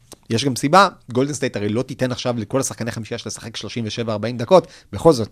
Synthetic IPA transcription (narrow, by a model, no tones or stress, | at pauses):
jeʃɡamsibaɡo̞ldensdejtaʁelo̞t̪it̪e̞naχʃavleko̞lasḁχkaneaχamiʃiaʃelesḁχe̞kʃlo̞ʃimveʃe̞vaːʁbaimd̪ako̞tbeχo̞lzo̞t̪̚